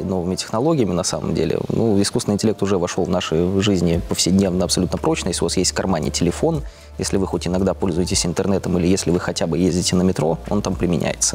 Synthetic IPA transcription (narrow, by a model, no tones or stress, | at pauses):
no̞vɨmʲɪtʲɪ̥xnɐlˠo̞ɡʲɪjəmʲɪnɐsa̰mə̰mdʲḛlʲɪ̰nʔuɪskusɪnɨɪnʲtʲɪlʲekt̪ʊʐɛvɐʂolˠvnaʂəjʐɨzʲnʲɪpəfsʲɪdʲnʲe̞vnəɐpsɐlʲut̪nəpɾo̞t͡ɕnəjesʲlʲɪʊvasjesʲtʲfkɐrmanʲɪ̰tʲɪlʲɪfo̞n | jesʲlʲɪvɨxo̞tʲɪnɐɡd̪apo̞lʲzʊjɪtʲɪsʲɪnt̪ɨrnɛt̪əmilʲɪjesʲlʲɪvɨxɐtʲabɨjezʲdʲɪtʲɪnəmʲɪt̪ɾo̞̰o̞̰nt̪ampɾʲɪmʲɪnʲʔæ̰jɪ̰t̪sə̥